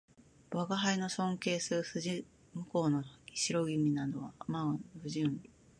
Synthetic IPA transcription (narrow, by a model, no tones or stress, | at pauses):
baɡaɦaino̞sõ̞ŋke̞ːsɨɯ̟sɨ | mɯ̟ko̞ːnoiɕiɾo̞imʲinad̪oβamaonɸɯ̟ʑinʲi